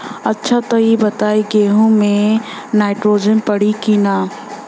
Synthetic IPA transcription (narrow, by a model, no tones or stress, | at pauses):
ɐtːʃʰat̪ɐibɐt̪aːiɡeːɦũmẽ | naːɪʈɾoːd͡ʒənpɐɽikiːnaː